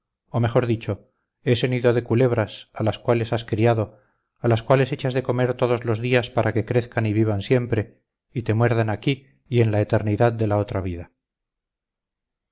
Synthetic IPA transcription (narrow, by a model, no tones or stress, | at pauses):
o̞me̞xo̞ɾðit͡ʃo̞ | e̞se̞niðoðe̞kule̞βɾasalaskwale̞saskɾiaðo̞ | alaskwale̞se̞t͡ʃazðe̞ko̞me̞ɾt̪o̞ðo̞zlo̞zðiaspaɾʔake̞kɾeθkaniβiβ̞ansje̞mpɾe̞ | it̪e̞mwe̞ɾðanakiː | e̞nlaet̪e̞ɾniðaðd̪e̞lao̞t̪ɾaβ̞iða